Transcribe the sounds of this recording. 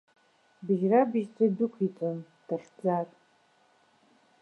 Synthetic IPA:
bɨʒrabɨʒt͡sadɨkʷʰit͡sʼɨn | d̥aχʲd͡zatʼ

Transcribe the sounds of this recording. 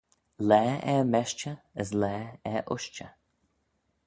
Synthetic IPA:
lɛːɛmɛʃt͡ʃəəs̬lɛːɛʔʊʃt͡ʃə

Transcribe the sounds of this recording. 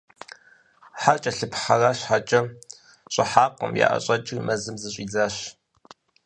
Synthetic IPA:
ħart͡ʃʼɐɬɨpħɐraːɕħat͡ʃʼɐ | ɕʼɐħaːqʷʼə̰mja̰ːʔɐ̰ɕʼɐt͡ʃʼɪmɐzɨmzɨɕʷʼiːd͡zaːɕ

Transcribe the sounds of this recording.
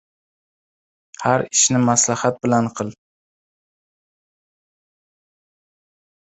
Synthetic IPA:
haɾɪʃnɪmaslahat̪̚bɪlanqʰɨlˠ

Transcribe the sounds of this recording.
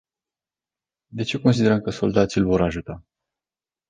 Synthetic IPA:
d̪e̞t͡ʃe̞ko̞nsid̪e̞ɾəmkəso̞ld̪at̪silʲvo̞ɾaʒut̪a

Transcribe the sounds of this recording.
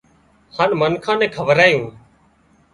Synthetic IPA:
haːnmənkʰãːnɛ̃ːkʰəʋəɾaːjũː

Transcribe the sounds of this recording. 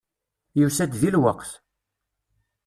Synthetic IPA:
jusæd̪ðilwəqθ

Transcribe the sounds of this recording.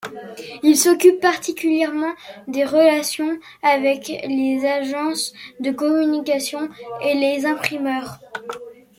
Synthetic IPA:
ilsɔkʲypːaʁt̪ikʲyljɛʁmɑ̃d̪eʁəlasjɔ̃ | avɛklezaʒɑ̃sd̪əkɔmynikʲasjɔ̃elezɛ̃pχimœːʁ

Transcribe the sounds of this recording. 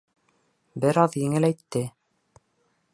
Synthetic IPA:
bɘɾɑðjɘ̆ŋɘlæjt̪ːɘ

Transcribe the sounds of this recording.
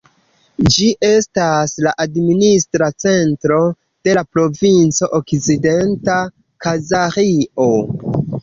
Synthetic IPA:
d͡ʒiʔe̞staslaʔadministɾat͡se̞ntɾo̞ | d̥e̞lapɾo̞vint͡so̞ʔokt͡side̞nta | kazaɾio̞

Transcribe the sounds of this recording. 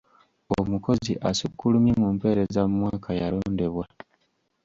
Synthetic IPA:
omuko̞ziʔasukːulumimuːmpe̞ːɾe̞zamumwaːkʰajalo̞ːnde̞βwa

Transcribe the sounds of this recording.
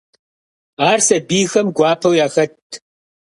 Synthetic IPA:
aːrsɐbiːxɐmɡʷɑːpʰɐwjaːxɐtʰ

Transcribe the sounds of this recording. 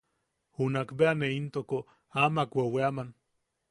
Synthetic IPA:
hunakbeaneint̪oko | amakweweaman

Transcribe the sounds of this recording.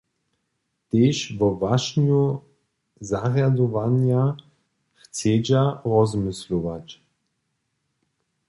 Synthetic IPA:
t̪eːʃvɔvaʃnu | zaʁjad̪ɔvanja | xt͡sed͡ʑaʁɔzmɪsluvat͡ɕ

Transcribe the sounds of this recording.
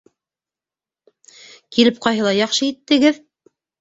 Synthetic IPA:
kilɘp̚qɑjɦɤlˠɑjɑχʃɤit̪ːɘ̆ɡɘð

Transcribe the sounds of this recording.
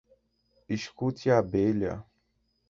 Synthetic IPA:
iʃkut̪iabelɐ̰

